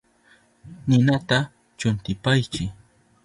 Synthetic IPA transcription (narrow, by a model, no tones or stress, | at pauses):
nɪnat̪a | t͡ʃʊnt̪ɪpajt͡ʃɪ